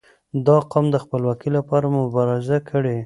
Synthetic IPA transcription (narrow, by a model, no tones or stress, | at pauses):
d̪ɑqɑmd̪əxpəlwɑkilapɑɾamʊbɑɾɪzakʰəɽe